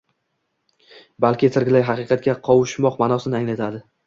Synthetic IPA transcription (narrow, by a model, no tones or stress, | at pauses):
balkʲɪt̪ʰɪɾɡʲɪlajɦɑqɨqʰɑt̪̚ɡʲaqʰɒwɪʃmɒqmanɒsɪnɪaŋlat̪ʰad̪ɪ